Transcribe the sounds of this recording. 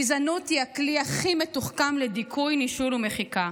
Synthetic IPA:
izanot̪iakliaχimetuχkamled̪ikʰujniʃuɾumeχika

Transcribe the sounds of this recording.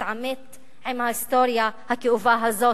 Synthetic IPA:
tʕamet̪ | ʕimhahist̪oɾjahakeʔuvaɦazo

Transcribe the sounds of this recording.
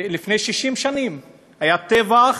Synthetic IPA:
lifne̞jʃiʃimʃanim | hajat̪eva

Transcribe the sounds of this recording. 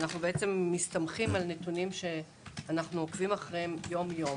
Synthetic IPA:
naχnubeet͡se̞mːist̪amχimalne̞tunimʃe̞ | anaχnuokvimaχʁeemjo̞mjo̞

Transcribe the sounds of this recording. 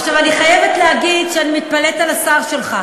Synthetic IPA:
aχʃavaniχajevet̪lehaɡidʃeanimit̪̚paletalasaʁʃe̞lχa

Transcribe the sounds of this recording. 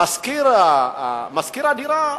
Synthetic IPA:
askiɾamaskiɾadiɾa

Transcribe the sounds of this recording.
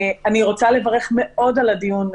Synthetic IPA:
aniʁo̞t͡sale̞vaʁe̞χme̞o̞daladijun

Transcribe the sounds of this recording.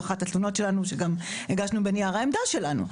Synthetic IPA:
aχatatluno̞tʃe̞lanuʃeɡam | eɡaʃnubeniaʁaemd̪aʃe̞lanṵ

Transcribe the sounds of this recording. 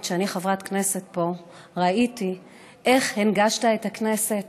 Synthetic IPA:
tʃeaniχavʁatkne̞se̞t̚po̞ | ʁaiti | ʔe̞χhenɡaʃtaetakne̞se̞t

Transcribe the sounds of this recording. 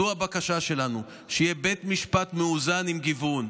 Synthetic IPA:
uabakaʃaʃe̞lanu | ʃejebe̞t̪miʃpat̪meuzanimɡivun

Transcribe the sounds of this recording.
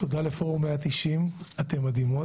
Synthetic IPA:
t̪od̪alefoʁumeat̪iʃimat̪e̞mːad̪imo

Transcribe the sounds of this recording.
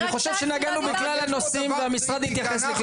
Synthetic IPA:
niχo̞ʃevʃenaɡanubiklalano̞simveamisʁad̪hit̪jaχesliχ

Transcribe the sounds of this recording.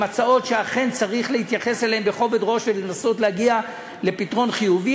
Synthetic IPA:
mat͡sao̞tʃeaχe̞nt͡saʁiχlehit̪jaχe̞seleembeχo̞ve̞dʁo̞ʃvelenaso̞tlehaɡia | le̞pitʁo̞nχijuvi

